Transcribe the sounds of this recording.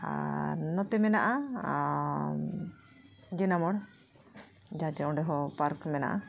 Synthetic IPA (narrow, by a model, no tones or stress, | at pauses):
a̰ɾnɔt̪ɛmɛnaʔa | d͡ʒɛnamɔɽ | d͡ʒad͡ʒɛɔ̃ɖɛɦɔpaɾkmɛna̰ʔa